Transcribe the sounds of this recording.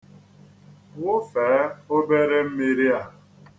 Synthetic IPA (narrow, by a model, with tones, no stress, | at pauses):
wʊ˦fɛː˨˦o˦be˦ɾe˦m̩˦me˦ɾi˦a˨